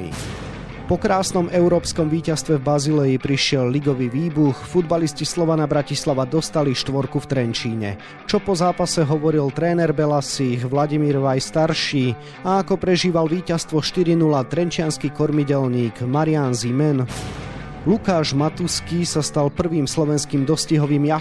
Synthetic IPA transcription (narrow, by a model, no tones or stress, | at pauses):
pɔkɾaːsnɔmɛʊɾɔːpskɔmʋiːcast̪ʋɛvbazilɛipɾiʃɪɛlːiɡɔʋiʋiːbuxfud̪baliscislɔʋanabɾacislaʋad̪ɔst̪aliʃt̪ʋɔɾkuft̪ɾɛnt͡ʃiːɲɛ̰ | t͡ʃɔpɔzaːpasɛɦɔʋɔɾilt̪ɾɛːnɛɾbɛlasiːxʋlaɟimiːɾʋajst̪aɾʃiː | aːkɔpɾɛʒiːʋalʋiːcast̪ʋɔʃt̪iɾinulat̪ɾɛnt͡ʃɪanskikɔɾmiɟɛlɲiːɡmaɾɪanzimɛn | lukaːʒmat̪uskisast̪alpr̩ʋiːmslɔʋɛnskiːmd̪ɔsciɦɔʋiːmja